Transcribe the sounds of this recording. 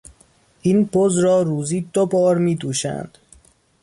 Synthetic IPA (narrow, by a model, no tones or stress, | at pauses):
ʔiːnbʰozɾɒːɾuːziːd̪obɒːɾmiːd̪uːʃæ̰nd̪̥